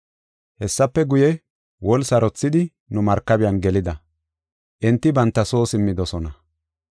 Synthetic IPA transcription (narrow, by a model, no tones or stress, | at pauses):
hɛsːɐpːɛɡʊjɛ | wɔlsɐɾɔt͡sːɪd̪ɪ | nʊmɐɾkːɐbɪjɐnɡɛlɪd̪ɐ | ʔɪnt̪ːɪbɐnt̪ːɐso̞ːsɪmːɪd̪ɔsɔnɐ